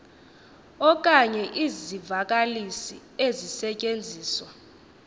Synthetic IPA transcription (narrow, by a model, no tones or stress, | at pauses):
ɔk̬ʼaɲɛʔizivak̬ʼalisiezisɛcʼend͡zʱiːswa